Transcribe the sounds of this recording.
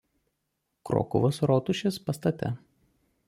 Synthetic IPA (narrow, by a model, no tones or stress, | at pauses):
kɾo̰ːkʊ̰ʋosɾoːt̪ʊʃʲespɐst̪ɐt̪ʲɛ̰